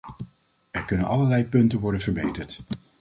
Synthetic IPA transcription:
ɛɹkɵnənɑləɹlɛjpɵntənʋɔɹdənvəɹbejtəɹt

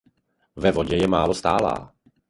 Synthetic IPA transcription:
vɛvoɟɛjɛmaːlost̪a̰ːla̰ː

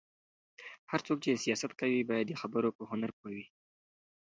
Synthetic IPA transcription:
haɾt͡sok̚t͡ʃesijɑsat̪kawibɑjad̪̚ːəxabəɾopəhʊnaɾpoawi

